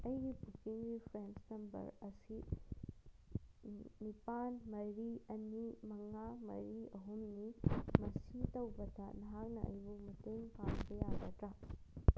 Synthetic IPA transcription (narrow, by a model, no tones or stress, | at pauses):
ɐjɡipukiŋɾipʰɾensnɐmbɐ̰ɾɐsi | nipanmɐɾiɐnimɐŋamɐ̰ɾiɐɦumnimɐsitɐwbɐdɐnɐɦak̚nɐʔɐ̰jbumɐteŋpanbɐjaɡɐtɾa